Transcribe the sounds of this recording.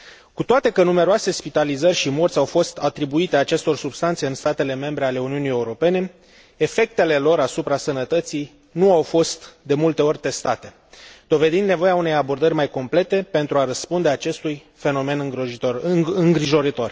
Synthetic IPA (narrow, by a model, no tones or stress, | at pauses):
kut̪oat̪e̞kənume̞ɾoase̞spit̪alizərʲʃimo̞rt̪sʲawfo̞st̪at̪ɾibuit̪e̞at͡ʃe̞st̪o̞rsubst̪ant̪seɨnst̪at̪e̞le̞me̞mbɾe̞ale̞uniunije̞uɾo̞pe̞ne̞ | efe̞k̚t̪e̞le̞lo̞ɾasupɾasənət̪ət̪sij | nuawfo̞st̪d̪e̞mult̪e̞o̞rʲt̪e̞st̪at̪e̞ | d̪̥o̞ve̞d̪ind̪nevo̞jeaune̞jabo̞rd̪ərʲmajko̞mple̞t̪e̞pe̞nt̪ɾuaɾəspund̪e̞at͡ʃe̞st̪uj | fe̞no̞me̞nɨŋɡ | ɨŋɡɾiʒo̞ɾit̪o̞rʲ